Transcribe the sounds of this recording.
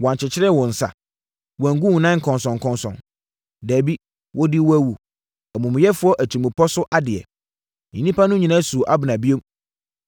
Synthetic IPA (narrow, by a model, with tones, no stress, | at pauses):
wɔ˨ã˨ɲt͡ɕʰɪ˨t͡ɕʰɪ˦ɾɛ˦˨wɔ̃˨n̩˨sa̰˨ | wã˨ŋɡu˦wnã˦ŋ̩˨kʰɔ̃˨nsɔ̃˨ŋ˨kʰɔ̃˦nsɔ̰̃˨n | dæː˨bi˦ | wɔ˦dɪ˦wæ˦wu˨ | æ˨mũ˨m˨jɛ˦fʊ˦ɔ˦ʔæ˨t͡ɕʰi˨mũ˨pʰɔ˦sʊ˦ʔa˦dɪ˨ɛ̰˨ | ɲĩ˨nĩ˦pʰa˦nʊ̃˦ɲĩ˨nã˦su˨ʔa˦bɪ˨nã˨bi˦o˦m